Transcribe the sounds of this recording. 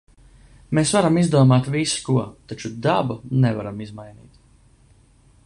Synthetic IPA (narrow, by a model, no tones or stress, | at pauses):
meːsvaɾamizd̪uɔmaːt̪viskuɔt̪at͡ʃud̪abunɛvaɾamizmajnḭːt̪